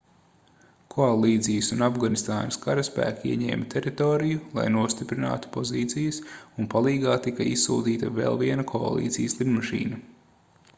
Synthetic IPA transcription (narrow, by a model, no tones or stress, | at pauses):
kʰoalˠiːt̪sijəsunavɡanist̪aːnɐskaɾaspæ̰ːkiiɛɲɛ̰ːmat̪ʲʰɛɾit̪oːɾijulˠa̰jnuɔst̪ipɾina̰ːt̪u̥pɔziːt̪sijɐsunpalˠiːɡaːt̪ikɐissṵːd̪iːt̪ɐvḛːlˠviɛnɐkʰɔa̰lˠḭːt̪sḭjəslˠibmaʃḭːnɐ